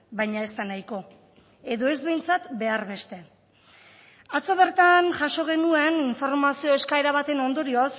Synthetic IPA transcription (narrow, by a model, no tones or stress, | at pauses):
bajɲae̞st̪anajko̞ | e̞ðo̞e̞zβe̞jnt͡sat̪be̞aɾβe̞st̪e̞ | at͡so̞β̞e̞ɾt̪anʝaʃo̞ɣ̞e̞nue̞niɱfo̞ɾmasio̞e̞skae̞ɾaβ̞at̪e̞no̞nd̪o̞ɾios